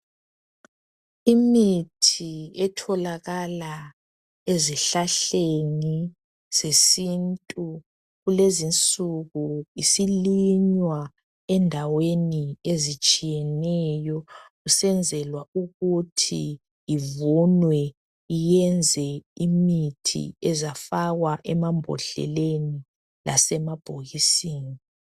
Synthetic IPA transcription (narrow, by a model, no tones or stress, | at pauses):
imitʰiɛtʰɔlaɣala | eziɬaɬeŋi | sesintʼu | ɣulezint͡sʼuɣuisiliɲwa | ɛndʱaweniezit͡ʃʼijɛnɛjɔɣusɛnd͡zʱɛlwauɣutʰḭ | ivunwɛ | ijɛnd͡zʱɛimitʰḭɛzafaɣwaʔɛmambʱɔ̰ɬɛ̰leni | la̰sɛmab̥ʱoɣisiːni